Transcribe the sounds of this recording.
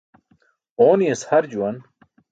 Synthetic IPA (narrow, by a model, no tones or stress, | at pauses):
oːnijeshɐɾd͡ʑuwɐn